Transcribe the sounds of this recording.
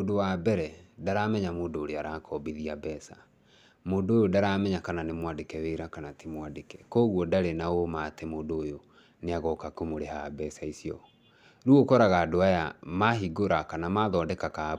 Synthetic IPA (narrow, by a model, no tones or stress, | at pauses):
odowabɛɾɛdaɾamɛɲamoːndoːɾeaɾakʰɔbiðiabɛsa | moːdoːjodaɾamɛɲakananemwadekɛweiɾakanatʰemwadekɛkoːɣwɔdaɾenaomatemoːndojo | neaɣɔkakomoɾehabɛsaisiɔ | ɾuokɔɾaɣaːdoaja̰maɦiɡoɾakanamaðɔːdɛkaka